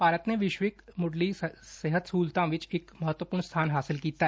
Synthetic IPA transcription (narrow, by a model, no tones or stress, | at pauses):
paːɾət̪neʋɪʃʋɪkmʊɖliseɦət̪suːlt̪ãʋɪt͡ʃɪkmɐɦət̪wəpuːɾnst̪ʰaːnɦaːsɪlkiːt̪aɛ